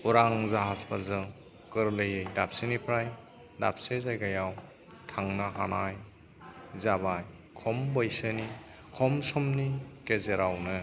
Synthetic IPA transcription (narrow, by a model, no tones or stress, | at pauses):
uɾaŋzaɦaspaɾzɯ | kɯɾlɯjɯjdap̚sɯnipʰɾaj | da̰p̚sezajɡajaw | tʰaŋnaɦanaj | zabaj | kʰɔmbɯjsɯni | kʰɔmsɔmnikezeɾawnɯ